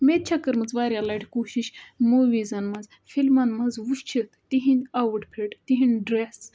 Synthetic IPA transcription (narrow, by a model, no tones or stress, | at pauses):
met̪̚t͡ʃʰɐkːəɾmɐzʋaːɾʲjalaːʈʰkoːʃiʃmoʋiːzɐnmɐz | fʰilmɐnmɐzʋuʃt͡ʃʰit̪t̪iɦinʲaʋɨʈpʰeʈt̪iɦinɖɾes